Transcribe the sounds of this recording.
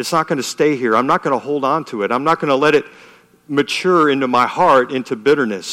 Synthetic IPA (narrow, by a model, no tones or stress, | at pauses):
ɨtsnət̚ɡ̥ʌnɨsteɪɦiɹãɪ̃mnət̚ɡ̥ʌnəhoʊlˠd̃n̩tʰuɨɾãɪ̃mnət̚ɡ̥ʌnəlɛɾɨt̚ | mɨt͡ʃʰʊɹɪ̃ntumaɪhɑɹɾɪ̃ntʰʉbɪɾə˞nɨs